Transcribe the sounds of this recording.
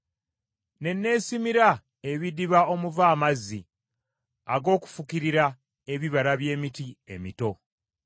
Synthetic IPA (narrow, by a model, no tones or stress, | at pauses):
ne̞nːe̞ːsimiɾa | eβidiβao̞muvaːmazːi | aɡo̞ːku̥fukiɾiɾa | eβiβaɾaβje̞ːmitiemito̞